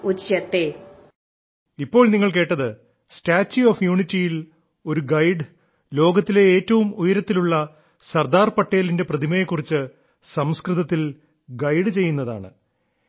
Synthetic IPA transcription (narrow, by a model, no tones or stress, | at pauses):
ut͡ɕjɐt̪ːe | ipːo̞ːɭniŋːɐɭke̞ːʈːɐðɨ | staːt͡ɕːuoːfjuːɳitːijil | o̞ɾuɡɐjɖɨ | lo̞ːɡɐt̪ːile̞eːtːɐʋumujɐɾɐt̪ːiluɭːɐ | sɐrd̪aːrpɐʈːe̞ːlinde̞prɐðimɐjekːurit͡ɕːɨ | sɐmskrɨðɐt̪ːil | ɡɐjɖɨt͡ɕe̞jːunːɐða̰ːɳɨ̰